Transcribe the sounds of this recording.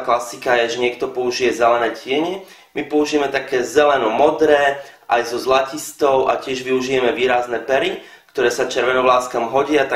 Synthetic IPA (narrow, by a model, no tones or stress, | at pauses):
klasikajɛʒɛɲɪɛkt̪ɔpɔuʒijɛzɛlɛnɛːcɪɛɲɛ | mipɔuʒijɛmɛt̪akɛːzɛlɛnɔmɔd̪ɾɛː | ʔajzɔzlacist̪ɔʊʔa̰cɪɛʒʋiuʒijɛmɛʋiːɾaznɛpɛɾi | kt̪ɔɾɛːsat͡ʃɛɾʋɛnɔʋlaːskamɦɔɟɪat̪a